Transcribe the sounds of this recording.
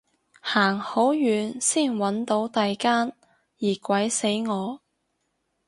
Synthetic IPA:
haː˨˩ŋho˨˥wjyː˨˧nsiː˥˩nwɐ˨˥nt̪o˨˥wt̪ɐ˨jkaː˥n | jiː˨˩kʷɐ˨˥jse˨˥jŋɔː˨˧

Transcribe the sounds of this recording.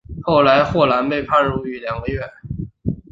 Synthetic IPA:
xo˥˩ʊla˧˥ɪxwɔ˥˩la˧˥npe˥˧ɪpʰa˥˧nɻu˥˩y˧˩ljɑ˨˩˦ŋwe˧˥ɪɥɛ˥˩n

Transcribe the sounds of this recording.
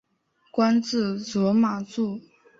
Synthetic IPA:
kwa˥nt͡sɻ̩˥˩t͡sɔ˧˥ma˨˩t͡su˥˩

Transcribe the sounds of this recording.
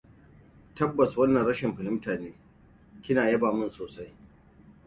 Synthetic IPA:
tɐ˦bːɐ˨swɐ˦nːɐ˨nɽɐ˦ʃɪ˨mɸɐ˨hɪ˦mtaː˨neː˦ | kʲɪ˦naː˨jɐ˦baː˨mʊ˦nsoː˨sa˦j

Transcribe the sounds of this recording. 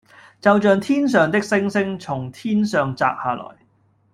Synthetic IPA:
t͡sɐ˨wt͡ʃœː˨˧ŋt̪ʰiː˥ns̬œː˨˧ŋt̪ɪ˥k̚sɪ˥ŋsɪ˥ŋt͡sʰʊ˨˩ŋt̪ʰiː˥nsœː˨ŋt͡sa̰ː˧k̚haː˨lɔ̰ː˨˩j

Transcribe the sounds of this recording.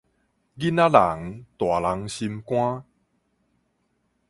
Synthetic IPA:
ɡi˦na˦˥la˨˩˦ŋt̪wa˨˩la˧ŋɕi˧mkw̃ã˦˥

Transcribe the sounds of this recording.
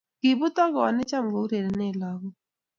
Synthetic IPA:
kɪ˨bu˦tɔ˦ɣɔː˨nɪ˦t͡ʃa˦m˨ɡo˨u˦ɾe˨ɾe˨˦ne˦˨la˦ɡɔ˦

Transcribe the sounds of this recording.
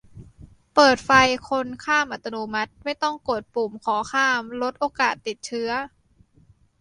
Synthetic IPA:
pɤː˨˩t̪̚fa˧jkʰo˧nkʰaː˥˩mʔa˨t̪ʰːa˧no˧ma˦˥t̪̚ma˥˩jt̪ɔ˥˩ŋko˨˩t̪̚pu˨˩mkʰɔː˩˦xʰaː˥˩mlo˦˥t̪̚ʔoː˧kaː˨˩t̪ːi˨˩t̪̚t͡ɕʰɯ˦˥ɐ

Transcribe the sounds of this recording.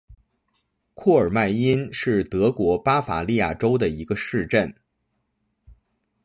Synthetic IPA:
kʰɔ˥˩ə˞˨˩ma˥˩ɪi˥nʂɻ̩˥˩t̪ɤ˧˥kwɔ˧˥pa˥fa̰˨˩li˥˧ja̰˥˩ʈ͡ʂo˥ʊd̪ə˨i˧˥ɡə˧ʂɻ̩˥˧ʈ͡ʂə˥˩n

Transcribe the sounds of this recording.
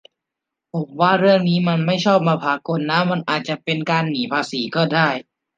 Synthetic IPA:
pʰo˨˦mwaː˥˩ɾɯ˥˩əŋniː˦˥ma˧nma˥˩jt͡ɕʰɔː˥˩p̚maː˧pʰaː˧ko˧nːa˦˥ma˧nʔaː˨˩t̪̚t͡ɕa˨˩pe˧nkaː˧nːiː˩˦pʰaː˧siː˩˦kɔː˥˩daː˥˩j

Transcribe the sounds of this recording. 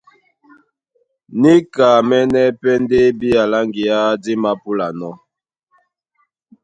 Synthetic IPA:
ni˦ka˨mɛ˦nɛ˦pɛ˦nde˦bi˦a˨la˦ŋɡi˨a˦di˦ma˦pu˦la˨nɔ˦

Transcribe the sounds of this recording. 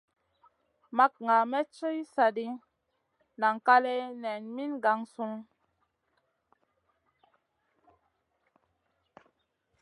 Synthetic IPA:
ma˦k̚ŋa˨mɛ˦t͡ʃə˦jsa˨di˦ | na˨ŋ˨ka˦lɛ˦nɛ˨nmi˦nɡa˨ŋsu˦ŋ

